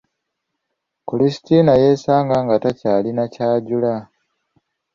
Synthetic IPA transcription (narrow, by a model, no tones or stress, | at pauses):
kolisi̥tinajeːsaːŋɡaŋɡatacaːlinacaːɟula